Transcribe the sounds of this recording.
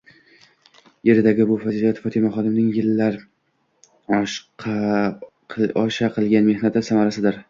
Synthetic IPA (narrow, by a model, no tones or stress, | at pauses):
je̞ɾɪd̪aɡʲɪbʊfazilijat̪fɒt̪ʰɪmaχɒd̪ɪmnɪŋjɪlːaɾ | ɒʃqʰɑ | ɒʃaqʰɨlˠɡʲanme̞hnat̪ɪsamaɾasɪd̪ɪɾ